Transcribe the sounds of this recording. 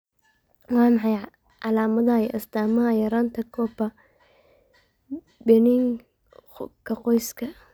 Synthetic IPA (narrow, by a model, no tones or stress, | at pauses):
wɑːmɑħɑj | ʕɑlaːmɐðɐʔɐst̪aːmɐajɐɾaːnt̪ʰɐkʰɔːbɐ | bɛnɪŋ | kʰɐqɔjskʰɐ